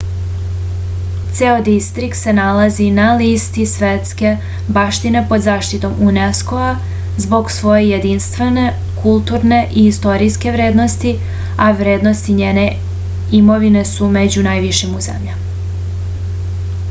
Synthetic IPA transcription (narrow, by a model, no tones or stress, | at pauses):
t̪seod̪ist̪ɾikt̪se̞nalazinalist̪isʋet̪ske̞ | baʃt̪ine̞po̞d̪zaːʃt̪it̪o̞muneskoa | zbo̞ɡsʋo̞jejed̪inst̪ʋe̞ne̞ | kulˠt̪uɾne̞ʔiist̪o̞ɾiske̞ʋɾe̞ːd̪no̞st̪i | aʋɾe̞ːd̪no̞st̪iɲeːne̞ | imo̞ʋine̞sume̞d͡ʑunajʋiʃimuzḛmʎam